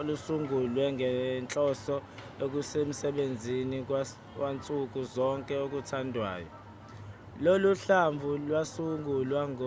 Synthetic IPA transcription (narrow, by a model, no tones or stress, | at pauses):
olusuŋɡʱulwɛŋʱɛnt͡ɬʼɔsɔ | ok̬usem̩sɛɓend͡zʱini | want͡sʼuk̬ʼuzɔŋkʼɛok̬ʼutʰandʱwa̰ːjɔ | loluɬaɱvʱulwasuŋɡʱulwaŋo